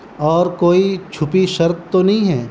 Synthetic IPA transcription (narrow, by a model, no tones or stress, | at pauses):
ɔːɾkoːit͡ʃʰʊpiʃɐɾt̪̚t̪onɐɦĩɦɛː